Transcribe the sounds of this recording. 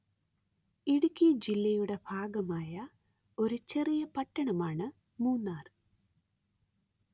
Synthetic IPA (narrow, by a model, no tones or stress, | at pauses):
iɽukʲːid͡ʑilːɐjuɽe̞bʱaːɡɐmaːjɐ | o̞ɾut͡ɕe̞rijɐpɐʈːɐɳɐmaːɳɨ | muːnːaːrɨ